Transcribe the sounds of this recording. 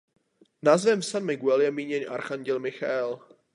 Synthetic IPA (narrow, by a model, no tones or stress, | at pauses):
naːzvɛmsanmɪɡuɛljɛmiːɲɛɲʔaɾxaɲɟɛlmɪxaɛl